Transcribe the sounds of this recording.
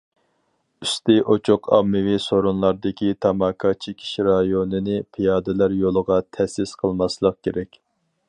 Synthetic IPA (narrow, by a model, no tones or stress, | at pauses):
yst̪ɪʔot͡ʃʰoqʰɑ̰mːɨwisoɾunlˠɑɾd̪ɨkʲit̪ʰɑmɑːkʰɑt͡ʃʰekʲʰi̥ʃɾɑjonɨnɪpʰijɑːd̪ɪlæɾjolˠəʁɑt̪ʰɛsɪsqʰəlˠmɑslˠəq̚kʲʰeɾɛkʲ